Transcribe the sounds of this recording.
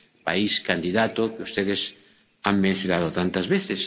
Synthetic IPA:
pa̰iskand̪iðat̪okeust̪eðes | aŋmẽn̟θjonað̞ot̪ant̪azβeθes

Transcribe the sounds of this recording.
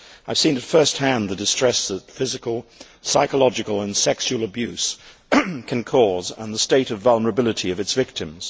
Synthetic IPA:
aɪv̥sĩnɨtfɜ˞st̚hæ̃nðɨdɨstɹ̥ɛsðətfɪzɨkəlˠ | saɪkəlɑd͡ʒɨkəlˠə̃nsɛkʃul̩ˠəbjʉs | kʰɨ̃nkʰɔzə̰̃nðəsteɪɾʌvʌlˠnə˞ɨbɪlˠəɾiʌvɨtsv̥ɪk̚tɨ̃mz̥

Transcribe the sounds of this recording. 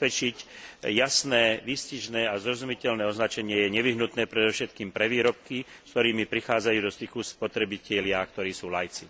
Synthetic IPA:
pɛt͡ʃic | jasnɛːʋisciʒnɛːazɾɔzumicɛlnɛːɔznat͡ʃɛɲɪɛjɛɲɛʋiɦnut̪nɛːpɾɛd̪ɔfʃɛt̪kiːmpɾɛʋiːɾɔp̚ki | skt̪ɔɾiːmipɾixaːd͡zajuːd̪ɔst̪ixuspɔt̪ɾɛbicɛlɪak̚t̪ɔɾiːsuːlajt͡si

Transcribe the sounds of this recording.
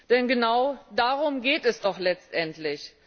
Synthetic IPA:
d̥ɛnɡənaʊdaːʁʊmɡeːtɛsd̥ɔχlɛt͡stʔɛntlɪç

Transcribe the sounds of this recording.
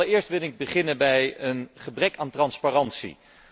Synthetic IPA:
əɪːɹstʋɪlˠɪɡ̚bəχɪnənbɛjənχəbrɛkaːntrɑnsparɑntsḭ

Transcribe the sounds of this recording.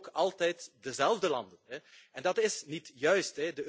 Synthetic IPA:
kɑlˠtɛjtdəzɛlˠvdəlɑndənɛɛndɑtɪsnitjœɥstɛdə

